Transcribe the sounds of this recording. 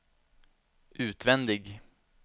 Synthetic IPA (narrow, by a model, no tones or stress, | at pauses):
ʔʉːt̪vɛnd̪ɪɡ